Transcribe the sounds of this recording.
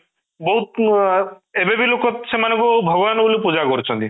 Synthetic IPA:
bɔɦut̪̚ | ebebilokɔt̪semanɔ̃ŋkubʱɔɡɔbanɔbolipud͡ʒakɔɾit͡ʃʰɔnt̪i

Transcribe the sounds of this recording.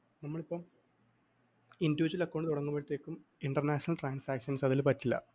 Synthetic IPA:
nɐmːɐɭipːom | induʋut͡ɕːɐlɐkːoːɳɖɨt̪uɽɐŋːumpɐɻut̪ːe̞ːkʲːumiɳɖɐrnaːɕɐnɐlʈraːnsaːkʂɐnsɐðilpɐtːilːɐ̰

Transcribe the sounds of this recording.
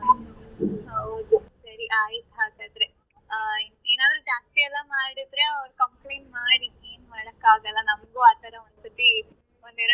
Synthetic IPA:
n | ɐʋd̪usɐɾiʔaːjɐt̪aːt̪aid̪ɾe | eːnaːdɾubjaːeɛlːɐmaːɽid̪ɾeɐʋɐɾukɐmpleːnmaːɽieːnmaːɽɐkːaːɡɐlːɐnɐmɡuaːt̪aɾoʋɐnt̪ɐt̪ːi | ɔnd̪iɾ

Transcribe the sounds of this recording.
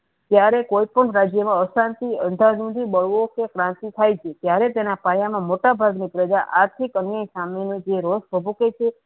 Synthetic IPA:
t̪jaɾekoipəɳɾad͡ʒjəmãəsãnt̪iə̃nd̪ʱanũd̪ʱiɓəɭʋokekɾãnt̪it̪ʰajt͡ʃʰet̪jaɾet̪enapajamãmoʈabʱaɡnipɾəd͡ʒaʔaɾt̪ʰikənjeisamenũd͡ʒeɾosbʱəbuket͡ʃʰe

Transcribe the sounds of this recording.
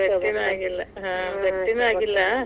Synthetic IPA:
ɐʈːinaːɡilːɐɦãːɡɐʈːinaːɡilːɐ

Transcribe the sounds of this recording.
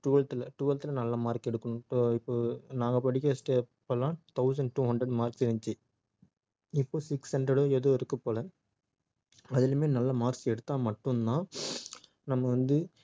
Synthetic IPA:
ʈuːɐlt̪ɪlɐʈuːɐlt̪ɪlɐnɐlːɐmaːɾkɛɽɯkːɐɳʊ̃oːɪpːoːnãːŋɡɐpɐɽɪkːɐsʈeːpːɐlãːt̪ɐʊs̬ɐɳɖ̚ʈːuːɦɐɳɖdɾɐɖmaːɾsɪɾɐɲt͡ʃɯ | ɪpːoːsɪkshɐɳɖɾɛɽoːɛðɯɪɾɯkːɯpoːlɛ̃ | ɐðɪlɐmeːnɐlːɐmaːɾsɛɽɯt̪ːãːmɐʈːɯnnãː | nɐmːɐʋɐnd̪ɯ

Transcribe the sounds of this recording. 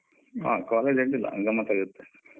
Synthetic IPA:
a̰ːkaːled͡ʒeɳʈilːɐ̰ŋɡɐmːɐt̪aːɡut̪ːe

